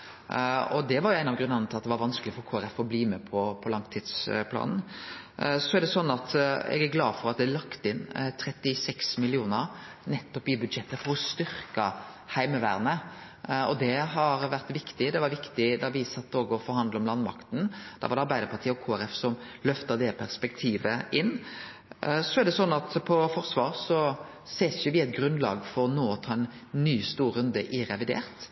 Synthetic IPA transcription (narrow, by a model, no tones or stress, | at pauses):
ɔd̪ɛʋɑɾjʊæɪnɑʋɡɾʉnɑnt̪ʰɪlɑt̪d̪ɛʋɑɾʋɑnsklɪfɔɾkʰoːæɾɛfɔbliːmɛpʰɔpʰɔlɑŋt̪ʰiːd̪spʰlɑ̰ːnn̩ | sɔæɾɖ̪ɛsɔnːɑt̪ɛ̰ɡæɾɡlɑːd̪fɔɾɑt̪̚d̪ɛlɑkt̪əɪnt̪ʰɾɛt̪ːɪsɛksmɪlɪuːnəɾnɛt̪ːɔpɪbʉd̪ʃɛt̪ːəfɔɾɔst̪ʏɾkə | hæɪməʋæ̰ːɾnə | ɔd̪ɛɦɑɾʋæɾt̪ʋɪkt̪ɪd̪ɛʋɑɾʋɪkt̪ɪd̪ɑʋɪsɑt̪ːoːɡəɔfɔɾhɑnd̪lɔmlɑnːmɑ̰kt̪n̩d̪̥ɛ̰ʋɑɾd̪ɛɑɾbæɪd̪əɾpʰɑɾʈ̪ʰiːəɔkʰoːæɾɛfsɔmlœft̪əd̪ɛpʰæɾspɛk̚t̪ʰiːʋəɪnː | sɔɛɾɖ̪ɛsɔnːɑt̪pʰɔfɔɾsʋɑːɾsɔ | seːsjʊʋɪæɪt̪̚ɡɾʉnlɑ̰ːɡfɔɾnoːɔt̪ʰɑːɛnːyːst̪uːɾʉnd̪əʔɪɾɛʋɪd̪ḛːɾt̪